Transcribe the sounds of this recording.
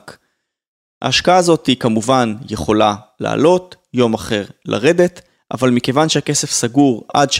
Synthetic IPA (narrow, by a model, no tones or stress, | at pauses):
k | a̰ːʃkaaːzo̞tikamuvanjeχo̞lala̰ːlo̞t | jo̞maχe̞ʁla̰ʁe̞d̪e̞t | ʔa̰valmike̞vanʃeake̞se̞fsaɡuʁa̰dʃ